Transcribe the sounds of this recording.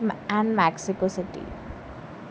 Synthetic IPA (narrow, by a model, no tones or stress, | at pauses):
æ̃ɳɖmæksikosiʈḭ